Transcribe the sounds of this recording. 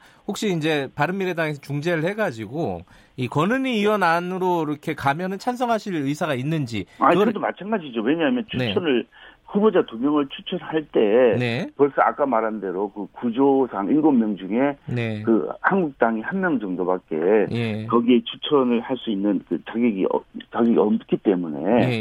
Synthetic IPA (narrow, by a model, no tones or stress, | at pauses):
hok̚ɕ͈iːnd͡ʑe̞paɾɯmːiɾedaŋes̬ʰʌt͡ɕuŋd͡ʑe̞ɾɯɭhe̞ɡad͡ʑiɡo | ikʌnɯniːʌnanɯɾoiɾʌkʰe̞kamjʌnɯnt͡ɕʰansʰʌŋɦaɕʰiɾɯisʰaɡainːɯnd͡ʑiaiɾʌdomat͡ɕʰanɡad͡ʑid͡ʑowe̞ɲaamjʌnt͡ɕʰunet͡ɕʰʌnɯɭhubod͡ʑatomjʌŋɯɭt͡ɕʰut͡ɕʰʌnhaɭt͈e̞nepwʌɭs͈ʌa̰k͈amaɾande̞ɾokɯkud͡ʑosʰaŋinɡommːjʌŋd͡ʑuŋe̞ne̞kɯhanɡuk̚t͈aŋihanmjʌŋd͡ʑʌŋdobak͈̚e̞jekʌɡie̞t͡ɕʰut͡ɕʰʌnɯɭhaɭs͈uinːɯnkɯt͡ɕaɡiɡḭʌ̰t͡ɕaɡiɡiʌmtɯk͈ʰit͈e̞mune̞̰je